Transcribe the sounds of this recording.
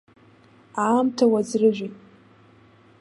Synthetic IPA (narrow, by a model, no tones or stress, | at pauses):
aːmtʰawad͡zrɨʒʷᶣitʼ